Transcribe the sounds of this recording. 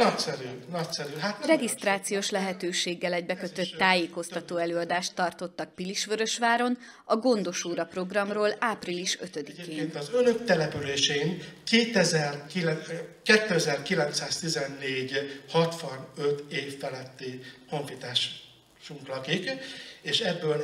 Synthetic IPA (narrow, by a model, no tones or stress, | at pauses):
nɒcsɛɾyːnɒcsɛɾyɦat̪rɛɡist̪raːt̪sijoːʃlɛɦɛt̪øːʃeːɡːɛlɛɟbɛkø̞t̪ø̞t̪ːaːjeːko̞st̪ɒt̪oːɛløːɒd̪aːʃt̪ːɒrt̪o̞t̪ːɒk̚piliʃʋøɾø̞ʃʋaːɾo̞n | ɒɡo̞nd̪o̞ʃoːɾɒpro̞ɡrɒmroːlaːpriliʃø̞t̪ød̪ikeːennt̪ɒzønø̞kt̪ɛlɛpyleːʃenkeːt̪ɛzɛrkilɛkɛt̪ːøɛzɛrkilɛnt̪saːst̪izɛnːeːɟhɒt̪ʋɒnø̞t̪eːfːɛlɛt̪ːiko̞ɱfit̪aːʃ | ʃuŋklɒkikeːʃɛbːøːl